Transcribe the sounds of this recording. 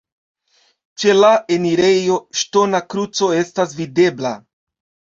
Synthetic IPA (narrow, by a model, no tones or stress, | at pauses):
t͡ʃe̞lae̞niɾe̞jo̞ʃto̞nakɾut͡so̞e̞stasvide̞bla